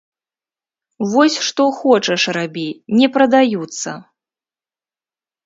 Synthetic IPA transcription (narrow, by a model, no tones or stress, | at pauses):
vɔsʲʂt̪ɔxɔt͡ʂɐʂrabʲinʲɛpɾɐd̪ajut̪sːɐ̰